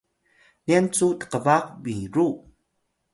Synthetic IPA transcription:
niant͡sutə̥qəvaq̚biɾu

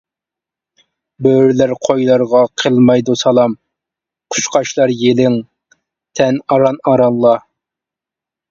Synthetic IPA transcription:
bøɾlæɾqʰojlˠɑɾʁɑqʰəlˠmɑjd̪usɑlˠɑm | qʰʊ̥ʃqʰɑʃlˠɑɾjelɪŋ | t̪ʰɛnɑɾɑnɑɾɑnlːˠɑ

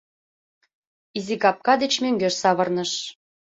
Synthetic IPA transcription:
izikɑp̚kɑd̪et͡ɕmøŋɡøʃsɑβɤ̆rnɤ̆ʃ

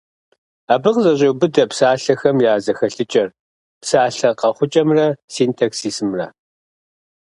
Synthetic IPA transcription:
aːbɨʁzɐʑʼɐwbɨdɐpsaːɬɐxɐmjaːzɐxɐɬɨt͡ʃʼɐr | psaːɬɐqɐχʷʊt͡ʃʼɐmrɐsiːntʰaːksiːsmrɐ̰

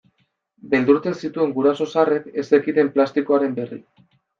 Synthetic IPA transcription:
be̞ld̪uɾt͡se̞nsit̪ue̞ŋɡuɾaso̞sare̞ke̞sekit̪e̞mplast̪iko̞aɾe̞mbe̞rḭ

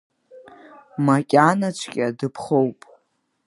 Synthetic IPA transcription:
makʲʼanat͡ʃʷʰkʲʼɪadɨpʰχowpʼ

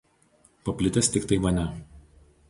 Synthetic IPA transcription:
pɐpʲlʲɪt̪ʲɛst̪ʲɪkt̪ɐɪmɐnʲɛ

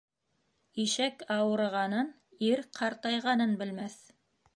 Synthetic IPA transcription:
iʃækɑwɤ̆ɾɤ̆ʁɑnɤn | iɾqʰɑɾt̪ɑjʁɑnɤnbɘ̆lmæθ

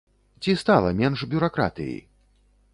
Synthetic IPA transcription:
t͡sʲist̪alˠɐmʲɛnʂbʲuɾakɾa̰t̪ɨ̰jḭ

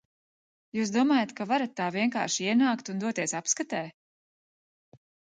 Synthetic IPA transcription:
juːs̬d̪uɔmaːjat̪kavaɾat̪ːaːviɛŋka̰ːɾʃiiɛnaːkt̪und̪uɔt̪iɛsapskat̪ɛː

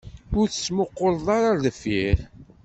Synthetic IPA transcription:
ʊɾθə̥t͡sːmoqːoɾˤðˤɑɾaðəfiɾ

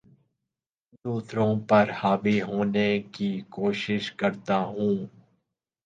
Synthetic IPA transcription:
d̪uːsɾõpɐɾhaːʋiɦoːnekikoːʃɪʃkəɾt̪aːɦũː

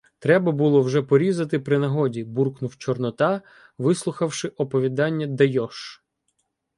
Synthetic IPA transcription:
t̪ɾɛbɐbulˠɔwʒɛpɔɾʲizɐt̪ɪpɾɪnɐɦɔdʲiburknʊwt͡ʃɔrnɔt̪ɑ | ʋɪslˠʊxɐwʃɪʔɔpɔʋʲid̪ɑnʲːɐd̪ɐjɔʃ

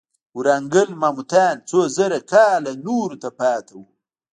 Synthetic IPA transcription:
wɾaŋɡəlmaːmut̪aːnt͡sozəɾakaːlanuɾut̪apɑːt̪ʰawu

